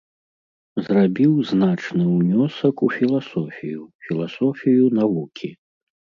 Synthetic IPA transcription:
zrabʲiwznat͡ʂnɨwnʲɔsɐkufʲilˠasɔfʲijufʲilˠasɔfʲijunavukʲʰi

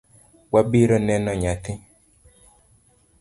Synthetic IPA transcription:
wabiɾənɛ̃nãɲat̪ĩ

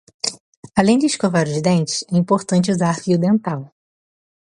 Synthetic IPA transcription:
alẽj̃d͡ʒ̪ɪiskovaɾʊzd̪ẽnt͡ʃɪ̥sɛĩmpoɾt̪ɐ̃nt͡ʃɪuzaɾfiud̪ẽnt̪aw

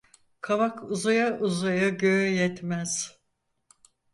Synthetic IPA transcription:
kʰavakʰuzajaʔuzajaɟøːjɛt̪mæz̥

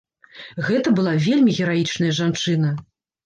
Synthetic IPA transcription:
ɣɛt̪ɐbɨlˠavʲelʲmʲiɣʲɛɾajit͡ʂn̪ɐjɐʐant͡ʂɨn̪ɐ

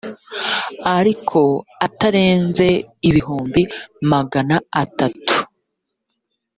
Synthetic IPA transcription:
aɾikʰo̞ataɾe̞ːnze̞iβiɦuːmbimaɡanaatatu̥

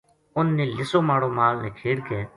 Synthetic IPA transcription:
ʊnːeːlɪsoːmaːɽoːmaːlneːkʰeːɽkeː

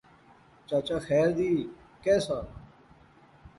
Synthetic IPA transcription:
t͡ʃat͡ɕaxɛːɾd̪iː | keːsa

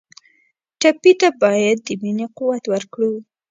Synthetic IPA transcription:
ʈapit̪abɑjad̪ːəminequwat̪wəɾkɽu

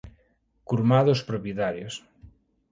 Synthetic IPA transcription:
kuɾmaðospɾopjet̪aɾjos

